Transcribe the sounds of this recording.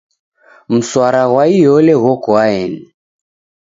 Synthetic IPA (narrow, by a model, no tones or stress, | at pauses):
m̩swaɾaɣwaijɔlɛɣɔkɔaɛnɛ